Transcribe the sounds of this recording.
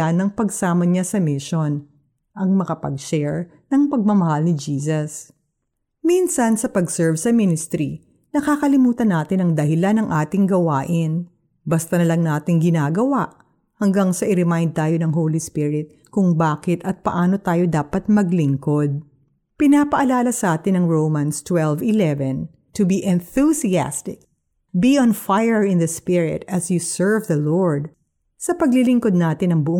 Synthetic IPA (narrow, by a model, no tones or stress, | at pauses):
anɐŋpɐɡsaːmɐɲasɐmɪʃon | ʔɐŋmɐkɐpɐ̰ɡʃɛɹ | nɐŋpɐɡ̚mɐmɐhalnɪd͡ʒiːs̬ɐs | minsɐnsɐpɐɡsɛɹvsɐminɪst̪ɾi | nɐkaːkɐlɪmuːt̪ɐnaːt̪ɪnɐŋd̪ɐɦɪlanɐŋʔaːt̪ɪŋɡɐwaːʔɪn | bɐst̪ɐnɐlɐŋnaːt̪ɪŋɡɪnaːɡɐwaʔ | hɐŋɡaŋsɐʔɪɾɪmajnd̪̚t̪aːjo̞nɐŋɦowlispiɹɪt̪̚ | kʊŋbaːkɪt̪ɐt̪̚pɐʔaːno̞t̪aːjo̞d̪aːpɐt̪̚mɐɡlɪŋkod̪̚ | pɪnaːpɐʔɐlaːlɐsɐʔaːt̪ɪnɐŋɹowmɐ̃nst̪wɛlvɪlɛvɛ̃n | t̪ʊbiʔɛ̃nθusia̰st̪ɪk̚ | biʔɔ̃nfajɛɹɪ̃nðɐspɪɹɪ̰t̪ɐsjusɛɹvðɐloɹd̪̚ | sɐpɐɡlɪlɪŋkod̪̚naːt̪ɪnɐŋbʊʔ